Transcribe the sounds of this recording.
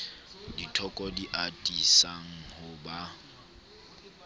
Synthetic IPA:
ditʰɔkʼɔdiʔatʼisaŋ̩hʊba

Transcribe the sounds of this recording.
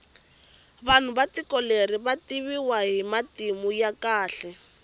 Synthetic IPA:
βan̤ubatikɔleriβatiβiwaɦimatimujakaːɬɛ

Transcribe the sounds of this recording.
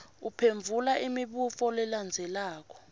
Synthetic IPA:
upʰeɱvʱulaʔimiɓufɔlɛland͡zʱɛlaːk̬ɔ̥

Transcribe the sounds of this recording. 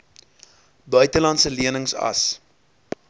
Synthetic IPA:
bœɥtəlɐntsəliənəŋsɐ̰s

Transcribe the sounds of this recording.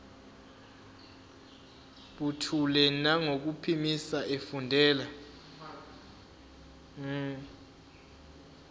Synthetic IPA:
ɓutʰulɛnaŋok̬upʰimisaʔefundʱɛːla

